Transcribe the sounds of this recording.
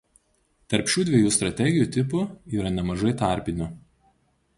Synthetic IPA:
t̪ɐɾʲpʲʃʲuːd̪ʲʋʲiɛjuːst̪ɾɐt̪ʲɛɡʲɪjuːt̪ʲɪpʊiːɾɐnʲɛmɐʒɐɪt̪ɐˑɾʲpʲɪnʲʊ

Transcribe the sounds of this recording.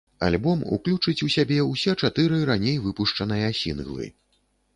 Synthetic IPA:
a̰lʲbɔmṵklʲut͡ʂɨt͡sʲusʲabʲɛusʲɛt͡ʂat̪ɨɾɨɾanʲejvɨpuʂt͡ʂɐnɨjɐsʲḭnɣlˠɨ̰

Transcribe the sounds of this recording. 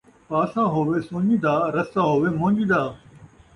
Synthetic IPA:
paːsãːɦoːʋeːsõːɲd͡ʑĩːd̪aːɾɐsãːɦoːʋeːmõːɲd͡ʒĩːd̪aː

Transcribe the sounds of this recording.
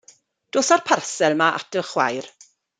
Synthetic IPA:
d̥oːsarpʰarsɛlˠmaʔa̰təχwajr

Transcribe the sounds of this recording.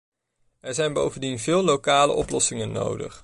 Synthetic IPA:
ɛɹzɛjnbowvəndinvɪːlˠlːowkaːlə̰ʔɔplɔsɪŋənːo̰wdə̰χ

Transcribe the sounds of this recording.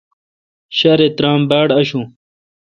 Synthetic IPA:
ɕɐɾet̪ɾaːmbaːɽɐɕũ

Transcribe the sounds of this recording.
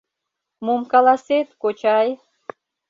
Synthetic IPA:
momkɑlɑset̪kot͡ɕɑj

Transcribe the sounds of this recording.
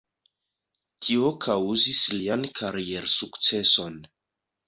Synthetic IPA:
tʰio̞kʰawzisliankʰaɾie̞ɾsukt͡se̞so̞n

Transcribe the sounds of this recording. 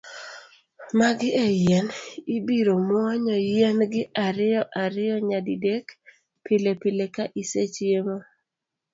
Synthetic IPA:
maɡɪɛjɛnibiɾomwɔɲɔjɛnɡɪʔaɾɪjɔʔaɾɪjɔɲadidek | pʰɪlepɪlekaʔiset͡ʃjema

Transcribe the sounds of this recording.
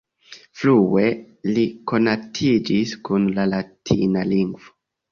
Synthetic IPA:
flue̞ | liko̞natʰid͡ʒiskunlalatʰinaliŋɡvo

